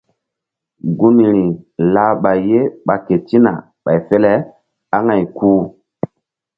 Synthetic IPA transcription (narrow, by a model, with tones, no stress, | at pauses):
ɡu˦ni˨ɾi˨la˦ɓa˨jːe˦ɓa˨ke˨ti˦na̰˨ | ɓa˨jfe˦lɛ˦ | a˦ŋa˨jkʰuː˦